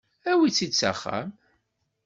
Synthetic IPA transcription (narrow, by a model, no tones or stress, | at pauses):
æwit͡sːit͡sːa̰χːæ̰m